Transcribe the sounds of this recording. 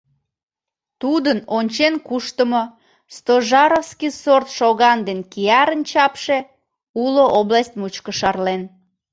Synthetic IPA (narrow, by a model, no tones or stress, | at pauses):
t̪ud̪ənonʲt͡ɕenkuʃt̪əmo | st̪oʒɑɾofskisort̪ʃoɣɑnd̪enkiɑɾənt͡ɕɑpʃe | uloʔoblɑsʲt̪̚mut͡ɕkəʃɑrlen